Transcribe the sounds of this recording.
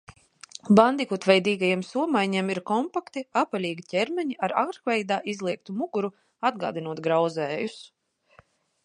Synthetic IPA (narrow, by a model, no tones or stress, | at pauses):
band̪ikut̪vɛjd̪iːɡajiɛmsuɔmajɲiɛmiɾkɔmpakt̪iapalʲiːɡicʲɛɾmɛɲiaɾa̰kɾkvɛjd̪aːʔizlˠiɛk̚t̪umuɡuɾu | ad̪ɡa̰ːd̪inuɔt̪ɡɾawzɛːjus